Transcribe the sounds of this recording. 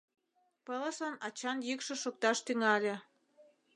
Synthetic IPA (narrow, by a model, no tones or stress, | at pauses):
pələ̆sɑnɑt͡ɕɑnjykʃɤ̆ʃok̚t̪ɑʃt̪yŋɑlʲĕ